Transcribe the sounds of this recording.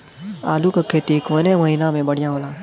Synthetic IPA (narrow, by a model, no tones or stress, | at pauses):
aːlukakʰːeːt̪ikoːnemɐɦinamẽbɐɽ̤ɪjãɦoːlaː